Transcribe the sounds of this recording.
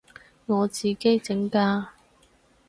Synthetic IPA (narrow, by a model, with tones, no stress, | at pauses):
ŋɔː˨˧t͡siː˨˩ke˥jt͡sɪ˨˥ŋkaː˧